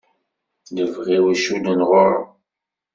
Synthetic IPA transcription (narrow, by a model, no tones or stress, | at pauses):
ləvʁiwæʃulənʁʊɾə̰